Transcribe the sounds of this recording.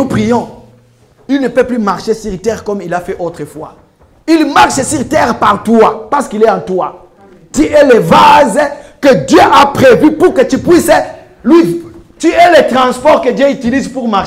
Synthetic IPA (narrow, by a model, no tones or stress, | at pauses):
nupʁijɔ̃ | ilnəpøplymaʁʃesiʁt̪ɛʁkɔmilafɛʔot̪χəfwa̰ | ilmaʁʃəsiʁt̪ɛʁpaʁt̪wapaʁsə̥kilɛɑ̃t̪wa | t̪yɛlɛvazkəd̪jøʔapχevypuʁkət̪ypwisɛ | lwit̪yɛlɛt̪χɑ̃spɔʁkəd̪jøyt̪ilizpuʁma